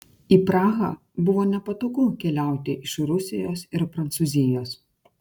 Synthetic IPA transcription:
iːpɾɑːɣɑ̰ː | bʊʋoːnʲɛpɐt̪oːkʊkʲɛlʲæˑʊt̪ʲɪʔɪʃɾʊsʲɪjoːsɪɾpɾɐnt̪sʊzʲɪjoːs

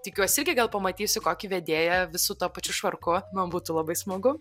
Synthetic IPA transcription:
t̪ʲɪkʲuɔsʲɪɪɾʲɡʲɪɡɐlˠpɐmɐt̪ʲiːsʲʊkoːkʲiʋʲɛd̪ʲeːjɛʋʲɪsʊt̪oːpɐt͡ʃʲʊʃʋɐrkʊmɐnbuːt̪ʊlˠɐbɐɪsmɐɡʊ

